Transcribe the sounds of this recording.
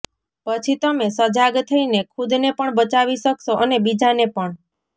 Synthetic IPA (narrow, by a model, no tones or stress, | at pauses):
pət͡ʃʰit̪əmesəd͡ʒaɡt̪ʰəinekʰud̪nepəɳbət͡ʃaʋiʃəksoʔənebid͡ʒanepəɳ